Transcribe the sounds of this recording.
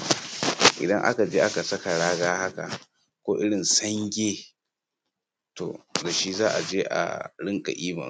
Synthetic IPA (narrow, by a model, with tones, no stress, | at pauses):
ʔɪ̰˨dɐ˦ŋʔa̰˦ka˨d͡ʒeː˦ʔa˦ka˨sɐ˦ka˨ɽaː˦ɡaː˦ha˦ka̰˨ | kʷoː˦ʔɪ˦ɽɪ˨nsɐ˦ŋɡʲeː˦ | to̰˨da˨ʃi˦zaː˦ʔa˨d͡ʒeː˦ʔa̰˨ɽɪ˦ŋkʼa̰˨ʔiː˦mɐ̰˨